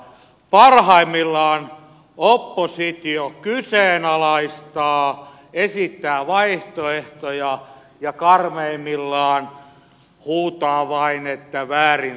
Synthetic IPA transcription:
pɑrhɑimːilːɑːn | opːosit̪iokyseːnɑlɑist̪ɑː | esit̪ːæːʋɑiht̪oeht̪ojɑ | jɑkɑrmeimːilːɑːn | huːt̪ɑːʋɑinet̪ːæʋæːrin

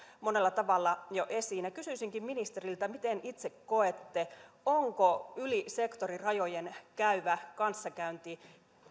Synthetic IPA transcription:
mone̞lːɑt̪ɑʋɑlːɑjoʔesiːnækysyisiŋkimminist̪erilt̪æmit̪enit̪sekkoet̪ːeoŋkoylisekt̪orirɑjojenkæyʋækɑnsːɑkæynt̪i

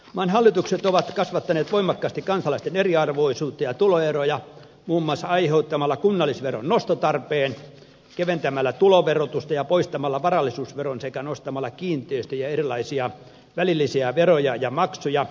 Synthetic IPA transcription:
ʋɑːnhɑlːit̪ukset̪oʋɑt̪kɑsʋɑt̪ːɑneːt̪ʋoimɑkːɑːst̪ikɑnsɑlɑist̪eneriɑrʋoisuːt̪ːɑjɑt̪uloerojɑ | muːmːɑsɑɑiheut̪ːɑmɑlːɑkunːɑlːˑisʋero̰nnost̪ot̪ɑrpeːn | keʋent̪æmælːæt̪uloʋerot̪ust̪ɑjɑpoist̪ɑmɑlːɑʋɑrɑlːˑisuːsʋeronsekænost̪ɑmɑlːɑkiːnt̪ˑeːst̪æjɑerilɑisiɑ | ʋælilːisiæʋerojɑjɑmɑksujɑ

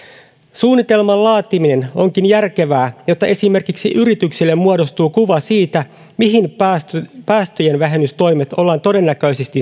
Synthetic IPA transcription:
suːnːit̪e̞lmɑllɑːt̪imine̞no̞ŋkinjærk̟e̞ʋæːjo̞t̪ːɑʔe̞sime̞rkiksiʔyɾit̪yksilːe̞mːuɑdo̞st̪uːkuʋɑsiːt̪æ | miɦin | pæːst̪øjenʋæɦenːyst̪o̞jme̞t̪o̞lːɑːnt̪o̞de̞nːækø̞jsest̪i

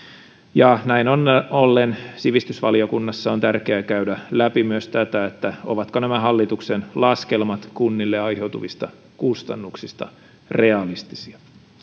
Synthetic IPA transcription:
jɑnæinonolːensiʋist̪ysʋɑlio̞kunːɑsːɑont̪ærkeækæydælæpimyøst̪æt̪æet̪ːæoʋɑt̪konæmæɦɑlːit̪uksenlɑskelmɑt̪kunːilːeɑjhe̞wt̪uʋist̪ɑ | kust̪ɑ̰nːuksist̪ɑ̰ | re̞ɑlist̪i̥siɑ

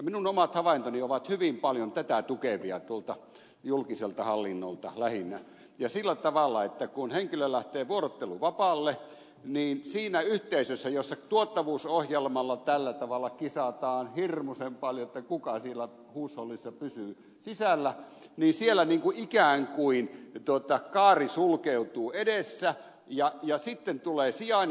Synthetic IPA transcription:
jɑminunomɑt̪hɑʋɑint̪onioʋɑt̪hyʋimpɑljont̪æt̪æt̪ukeʋiɑt̪uolt̪ɑ | julkiselt̪ɑhɑlːinːo̰lt̪ɑ̰læhinːæ | jɑsilːæt̪ɑʋɑlːˑɑet̪ːækunheŋkilølæht̪eːʋuoɾot̪ːeluʋɑpɑlːe | niːnsiːnæyht̪eisøsːæjosːɑt̪uot̪ːɑʋuːsohjelmɑlːɑt̪ælːæt̪ɑʋɑlːˑɑkisɑt̪ɑːnhirmusempɑljoet̪ːækukɑsielæ | huːsholːisːɑpysyː | sisælːæ | niːnsielːˑæniːŋkuʔikæːŋkuint̪uot̪ɑkɑːrisulkeut̪uːedesːæ | jɑjɑsit̪ːent̪uleːsiɑˑn

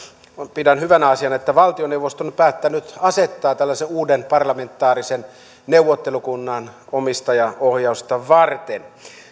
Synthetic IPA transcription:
pidænhyʋænæɑsiɑnet̪ːæʋɑlt̪ioneuʋost̪onpæːt̪ːænyt̪ɑset̪ːɑːt̪ælːæseuːdenpɑrlɑment̪ːˑɑːrisen | neuwʋːˑot̪ːelukunːɑnomist̪ɑjɑohjɑust̪ɑʋɑrt̪en

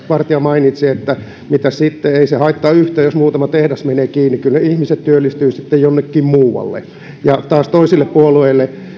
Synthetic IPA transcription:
ʋɑrt̪iɑmɑinit̪siet̪ːæ | mit̪æssit̪ːeeisehɑit̪ːɑːyht̪ˑeːjosmuːt̪ɑmɑt̪ehdæsmeneːkiːnːikylneihmiset̪t̪yølːist̪yːsit̪ːejjonːekːiːmmuːʋɑ̰lːḛ | jɑt̪ɑːst̪oisilːeppuolueilːe

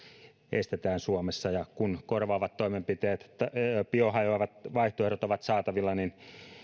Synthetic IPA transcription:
ʔest̪et̪æːnsuomesːɑjɑkunkorʋɑːʋɑt̪toimempit̪eːt̪ɑpiohɑjoɑʋɑt̪ʋɑiht̪oerɾot̪oʋɑt̪sɑːt̪ɑʋilːɑnin

